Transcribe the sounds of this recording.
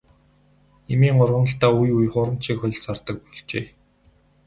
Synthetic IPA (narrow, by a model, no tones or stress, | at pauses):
emiːŋʊrʁə̆nə̆ɬt̪aːujujχʊːɾə̆m̥t͡ɕʰiːkxɔ̆ɮsart̪ə̆k̚puɮt͡ɕeː